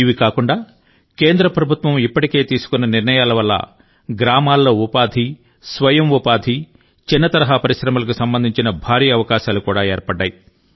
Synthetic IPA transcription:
iʋikaːkuɳɖaː | ke̞ːnd̪ɾɐpɾɐbʱut̪ʋɐmipːɐʈike̞ːt̪iːsu̥kunːɐniɾɳɐjaːlɐʋɐlːɐ̰ | ɡɾaːmaːlːo̞ːupaːd̪ʱi | sʋɐjɐmupaːd̪ʱi | t͡ʃinːɐt̪ɐɾɐɦapɐɾiʃɾɐmɐlɐk̬usɐmbɐnd̪ʱiɲt͡ʃinɐbʱaːɾiːɐɐʋɐkaːʃaːlukuːɽaːeːɾpɐɽɖːaːji

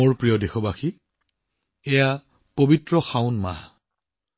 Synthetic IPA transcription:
oɹpɹijɔdexɔbaxi | ɛja | pobitɹɔxaʊnma̰

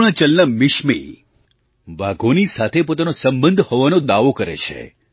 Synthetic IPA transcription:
ɭ̃ət͡ʃəlnəmɪʃmḭ | ʋaɡʱonisat̪ʰepot̪anosə̃mbənd̪ʱhoʋanod̪aʋokəɾḛt͡ʃʰḛ

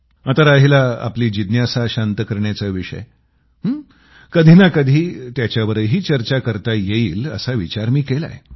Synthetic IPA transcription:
at̪aɾaɦilaa̰pliːd͡ʑid̪njasaɕant̪əkəɾɳjat͡səʋiʂə̰j | ɦ | kəd̪ʱinakəd̪ʱiːt̪jat͡ɕjaʋəɾəjɦiːt͡ɕəɾt͡ɕakəɾt̪ajeiːlə̰saʋit͡ɕaɾmiːkela̰e

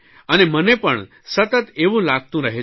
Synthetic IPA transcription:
ənemənepəɳ | sət̪ət̪eʋũːlaɡ̚t̪ũɾəɦe

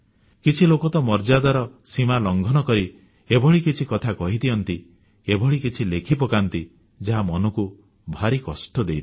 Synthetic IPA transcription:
kit͡ʃʰilokɔt̪ɔmɔɾd͡ʒad̪aɾɔsimalɔŋɡʱɔnɔkɔɾi | ebʱɔɭikit͡ʃʰikɔt̪ʰakɔɦit̪iɔnt̪i | ebʱɔɭikit͡ʃʰilekʰipɔkant̪i | d͡ʒaɦamɔnɔku | bʱaɾikɔsʈɔd̪ejt̪

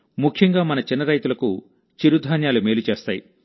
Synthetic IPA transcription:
mukʰjɐŋɡaːmɐnɐt͡ʃinːɐɾɐjt̪ulɐku | t͡ʃiɾud̪ʱaːnjaːlumeːlut͡ʃeːst̪aːji

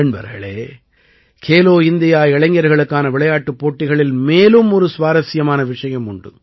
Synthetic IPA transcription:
ɐɳbɐ̰ɾɣɐ̰ɭeː | kʰeːloːɪnd̪ɪjaːɛɭɐŋɡɐɾɣɐɭɯkːaːnɐʋɪɭɐjaːʈːɯpːoːʈːɪɣɐɭɪlmeːlɯmɔɾɯsʋaːɾɐsɪjɐmaːnɐʋɪʂɐjɐmʊɳɖɯ̰

